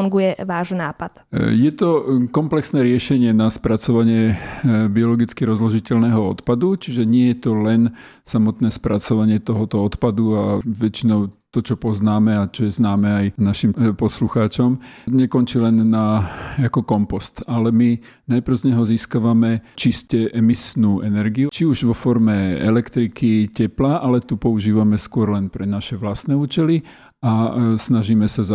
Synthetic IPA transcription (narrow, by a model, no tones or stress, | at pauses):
uŋɡujɛʋaːʒnaːpat̪jɛt̪ɔkɔmplɛksnɛːɾɪɛʃɛɲɪɛnaspɾat͡sɔʋaɲɪɛbiɔlɔɡit͡skiɾɔzlɔʒicɛʎnɛɦɔɔ̰t̪pad̪ut͡ʃiʒɛɲɪɛjɛt̪ɔlɛn | samɔt̪nɛːspɾʔat͡sɔʋaɲɪɛt̪ɔɦɔt̪ɔɔt̪pad̪uaʋɛt͡ʃinɔʊt̪ɔt͡ʃɔpɔznaːmɛat͡ʃɔjɛznaːmɛajnaʃimpɔsluxaːt͡ʃɔmɲɛkɔnt͡ʃilɛnːaakɔkɔmpɔst̪alɛmi | najpɾ̩ʊzɲɛɦɔziːskaʋamɛt͡ʃiscɛʔɛmisnuːʔɛnɛɾɡijut͡ʃiuʒʋɔfɔɾmɛɛ̰lɛkt̪ɾikicɛplaʔalɛt̪upɔuʒiːʋamɛskʊɔɾlɛnpɾɛnaʃɛʋlast̪nɛuːt͡ʃɛli | asnaʒiːmɛsaza